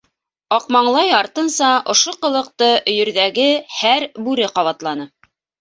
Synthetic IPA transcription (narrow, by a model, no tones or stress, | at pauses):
ɑqmɑɴlˠɑjɑɾt̪ɤ̆nsɑʔŏʃoqɤ̆lˠɤ̆q̚t̪ɤɵ̆jɵ̆ɾðæɡɘhæɾbʉɾɘqɑβɑt̪lˠɑnɤ